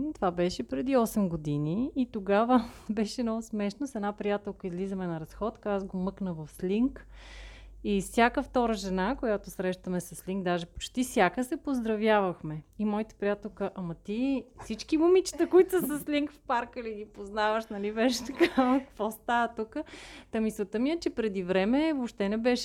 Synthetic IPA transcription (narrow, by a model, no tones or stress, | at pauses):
t̪ovabɛʃɛpɾɛd̪iɔsɛmɡod̪iniːt̪oɡavəbɛʃɛnɔvɐsmɛʃnosɛnapɾijat̪ɛlˠkəizlizəmɛnɐɾɐsxɔt̪kaazɡomɤknəvɐfslʲiŋk | ifsʲjakəft̪ɔɾəʒɛnakojat̪osɾɛʃt̪əmɛsɐsliŋɡd̪aʒɛpo̥t͡ʃt̪ifsʲjakəsɛpozd̪ɾɐvjavəxmɛimɔit̪ə̥pɾʲijat̪ɛlˠkəʔɐmɐt̪ifsit͡ʃkimumit͡ʃi̥t̪əkoit̪səsəslʲiŋkfpaɾkəliɡ̪ipoznavəʃnɐlivɛʃt̪ɐ̥kakɐ̥kvɔst̪avət̪ukət̪ɐmisot̪əmiət͡ʃɛpɾɛd̪ivɾɛmɛvopʃt̪ɛnɛbɛʃɛ